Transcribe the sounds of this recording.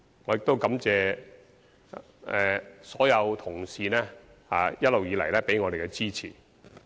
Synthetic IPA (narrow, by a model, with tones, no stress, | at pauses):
ŋɔː˨˧jɪ˨k̚t̪o˥wkɐ˨˥mt͡sɛː˨˧ | ɛː˨˩sɔː˨˥jɐ˨˧wt̪ʰʊ˨˩ŋsiː˨˧nɛː˥ | ha̰ː˨˧jɐ˥t̚lo˨wjiː˨˧lɐ̰˨˩jlɛː˥pe˨˥jŋɔː˨˧de˨jkɛ˧t͡siː˥t͡sʰḭː˨˩